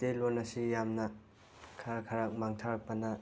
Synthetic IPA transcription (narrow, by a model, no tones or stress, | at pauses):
telonɐsijamnɐ | kʰaɾakʰɐɾak̚maŋtʰaɾak̚pɐnɐ